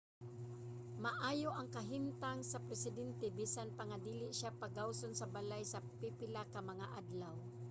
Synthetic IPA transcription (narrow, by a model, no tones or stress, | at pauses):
mɐʔaːjoʔɐŋkɐɦɪmt̪aŋsɐpɾɛsɪd̪ɛnt̪ɛbiːsanpaŋad̪iːlɪʔʃapaɡawsonsɐbalajsɐpipɪlakɐmɐŋaʔad̪law